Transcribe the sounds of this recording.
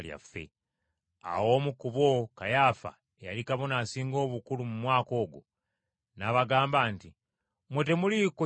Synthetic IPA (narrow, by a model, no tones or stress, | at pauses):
lja̰fːḛ | a̰wo̞ːmukuβwo̞kajafa̰ | jalikaβo̞nasiːŋɡo̞ːβukulumumwaːko̞ːɡo | naβaɡaːmbaːnti | mwete̞muliko